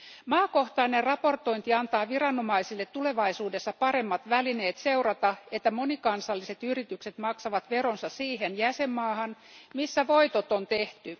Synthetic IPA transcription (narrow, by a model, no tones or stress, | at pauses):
mɑːko̞ht̪ɑinerrɑpo̞rt̪o̞int̪iɑnt̪ɑːʋirɑnːomɑisilːet̪ːule̞ʋɑisuːdesːɑpɑɾe̞mːɑt̪ʋæline̞ːt̪se̞urɑt̪ɑet̪ːæmonikɑnsɑlːise̞t̪yrit̪ykset̪mɑksɑʋɑt̪ʋe̞ɾonsɑssiːɦenjæsemːɑːhɑn | misːæʋo̞it̪ot̪ont̪eht̪y